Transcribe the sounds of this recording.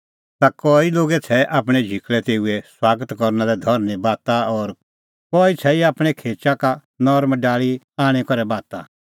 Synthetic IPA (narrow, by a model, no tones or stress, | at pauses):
t̪akɔːiloːɡɛt͡sʰɛʔaːp̬ɽ̃ɛd͡ʒʱikɭɛt̪eːuɛswaːɡət̪kɔɾnalɛd̪ʱɔɾnibaːt̪aɔɾ | kɔːit͡sʰɛiaːpɽ̃ɛkʰeːt͡ʃaka | nɔɾmɖaːɭi | aːɽ̃ɛkɔɾɛbaːt̪a̰